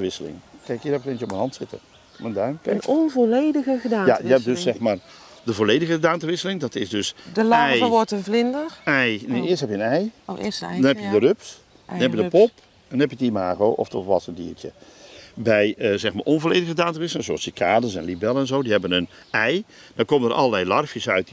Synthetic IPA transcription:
əʋɪsəlɪ̰ŋkɛjkjəɛpklent͡ʃəɔpmənɦɑntsɪtə̰ | məndœɥmkɛnɔnvolejdəɣəɣədaːjajəɛp̚døssɛχmaːr | dəvoːlejdəɣədaːntəʋɪsəlɪŋdɑtɪzdɵsdəlaɛjəʋɔɹtənvlɪndəɹɛjneɪːstɦɛpjənɛjɪsdɔnɦɛpjədərøps | nhɛpjədəpɔp | ɛnɛpjətimaːɣowʔɔ̰ftɔfʋɑsəndḭːrtə̰bɛjəzɛxma̰ːɹʔɔnvolejdəɣədaːntəʋɪs̬lɪŋzoɑsəkʰaːdəsɛnlibɛlˠəɛnzowdiɦɛbənən | ɛjd̥ɔkomənərʔɑ̰lˠəlɛjlɑrfjəsœɥt

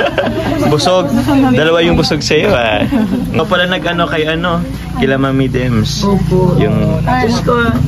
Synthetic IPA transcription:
bʊsoɡ̚d̪ɐlɐwajʊŋbʊsoɡ̚sɐjoʔaopɐlanɐɡʔɐno̞kɐjʔɐno̞ | kɪlamɐmid̪ɛmsojʊŋʊsko

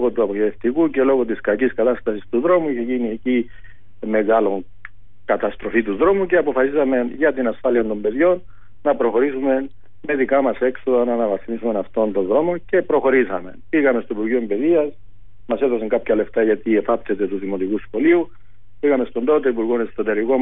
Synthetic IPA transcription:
loɣo̞t̪uɐpoçeteft̪ikuce̞lo̞ɣo̞t̪̬iskɐciskɐt̪ɐst̪ɐsist̪uðɾo̞muiçe̞ʝinieci | me̞ɣɐlo̞ŋ | kɐt̪ɐst̪ɾo̞fit̪uðɾo̞muce̞ɐpo̞fɐsisɐme̞ʝɐt̪inɐsfɐliɐnd̪o̞mbe̞ðʝo̞nː | ɐpɾo̞xo̞ɾisume̞ | me̞ðikɐmɐse̞kso̞ðɐnɐnɐvɐsimisume̞nɐft̪o̞nt̪o̞nðɾo̞mo̞ce̞pɾo̞xo̞ɾisɐme̞̰piɣɐmest̪oipuɾʝoombe̞ðiɐs | mɐse̞ðosɐŋkɐpçɐle̞ft̪ɐʝɐt̪iefɐp̪se̞t̪e̞t̪uðimo̞t̪ikusxo̞liu | piɣɐme̞st̪ond̪ot̪e̞ipuɾɣonest̪ot̪e̞ɾiko̞

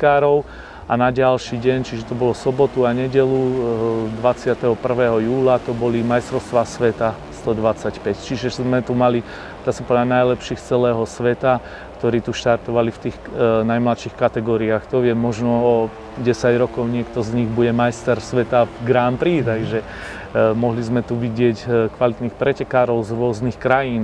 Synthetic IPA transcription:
kaːɾɔʊ | anaɟalʃiːɟɛɲt͡ʃiʒɛt̪ɔbɔlɔsɔbɔt̪uaɲɛɟɛlu | d̪ʋat͡sɪat̪ɛɦɔpr̩ʋɛːɦɔjuːlat̪ɔbɔlimajst̪ɾɔʊst̪ʋasʋɛt̪a | st̪ɔd̪ʋat͡sacpɛct͡ʃiʒɛzmɛt̪umali | d̪̥aːsapɔd̪lanajlɛpʃiːxt͡sɛlɛːɦɔsʋɛt̪a | kt̪ɔɾiːt̪uʃt̪aɾt̪ɔʋalift̪iːxnajmlat̪ʃixkat̪ɛɡɔːɾiaːxt̪ɔʋɪɛmːɔʒnɔɔ | ɟɛsaɟɾɔkɔʊɲɪɛkt̪ɔzɲiɣbuɟɛmajst̪ɛɾsʋɛt̪avɡɾaːmpɾiːt̪aɡʒɛ | mɔɦlizmɛt̪uʋiɟɪɛckʋalit̪nixpɾɛcɛkaːɾɔʊzɾʊɔznixkɾajiːn

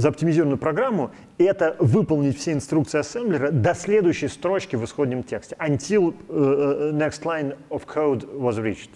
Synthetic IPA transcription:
zəɐp̚tʲɪmʲɪzʲiɾəvnʊjʊpɾɐɡɾamːʊ | ɛt̪əvɨpəlˠnʲɪtʲfsʲeɪnst̪ɾukt̪sɨɪɐsɛmblʲɪɾəd̪ɐsʲlʲe̞d̪ʊjʉɕːɪjst̪ɾo̞t͡ɕkʲɪvɨsxo̞d̪ʲnʲɪmtʲe̞ksʲtʲɪɐnʲtʲilˠ | nʲɛkst̪lˠajnəfkʰowd̪vɔzɾʲit͡ɕt̪

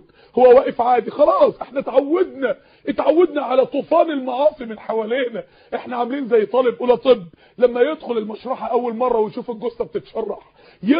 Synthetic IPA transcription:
howːæwæːʔɪfʕaːd̪ixɑlɑːsˤʔeħnæt̪ʕawːæd̪næ | jɪt̪ʕawːed̪næʕalæt̪ˤuːfɑːnelmɑʕɑːsˤimɪnħawæːleːnæ | ʔeħnæʕamliːnzæjːt̪ˤɑlebʔuːlæt̪ˤɨbː | læmːæjed̪xolelmæʃɾˤɑːħɑʔæwːælmɑrˤːɑwejʃuːfelɡosːɑb̚t̪et̪ʃɑrˤːɑħ | je

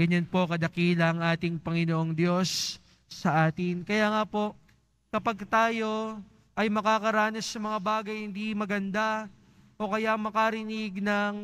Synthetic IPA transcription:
ɡɐɲanpo̞kɐd̪ɐkiːlɐŋaːt̪ɪŋpɐŋɪnoʔo̞ŋd̪jo̞sː | ɐʔaːt̪ɪnkɐjaːŋapo̞ʔ | kɐpɐɡ̚t̪aːjo̞ | ʔɐjmɐkaːkɐɾaːnɐsːɐmɐŋabaːɡɐjhɪnd̪imɐɡɐnd̪a | ʔo̞kɐjamɐkaɾɪniɡ̚nɐŋ

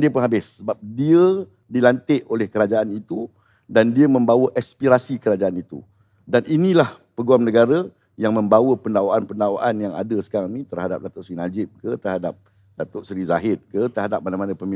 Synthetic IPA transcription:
diəpʊnɦabɪsːəbap̚diə | dilant̪ɪʔolɛhkəɾad͡ʒaanit̪u | dandiəmə̃mbawəʔɛspiɾasikəɾad͡ʒaanit̪ṵ | daninĩlah | pəɡuamnəɡaɾa | jaŋmə̃mbawəpəndawaʔanpəndawaʔanjaŋa̰dəsə̥kaɾaŋnĩt̪ərhada̰p̚dat̪ʊʔsɾinad͡ʒɪp̚kət̪ərɦadap̚ | dat̪oʔsɾizaɦɪt̪̚kət̪əɦadap̚manãmanə̃pəmi

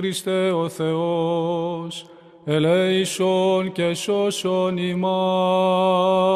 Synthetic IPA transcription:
ɾist̪eoθeo | s | eleisoncesosonimɐ

